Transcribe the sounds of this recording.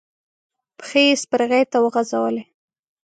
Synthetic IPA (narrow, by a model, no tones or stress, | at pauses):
pə̥xejespəɾɣejt̪awəɣazawəle